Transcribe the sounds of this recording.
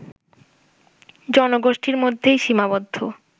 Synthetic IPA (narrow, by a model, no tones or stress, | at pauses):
d͡ʑɔnoɡoʃʈiɾmod̪ʱːejʃimabod̪ʱːo